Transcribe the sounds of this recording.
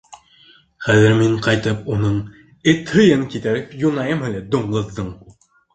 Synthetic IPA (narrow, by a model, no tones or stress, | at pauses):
χæðɘ̆ɾmiɴqɑjt̪ɤpunɤɴ | ɘt̪hɤ̆jɤŋkit̪æɾɘpjunɑjɤmhɘlæd̪ŭɴɢɤ̆ðːɤɴ